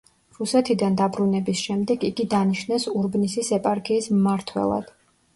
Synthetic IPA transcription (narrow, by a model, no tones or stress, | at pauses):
ɾusɛt̪ʰid̪and̪abɾunɛbisʃɛmd̪ɛɡiɡid̪aniʃnɛsuɾbnisisɛpʼaɾkʰʼiːsmmaɾt̪ʰwɛ̰lˠa̰d̪̥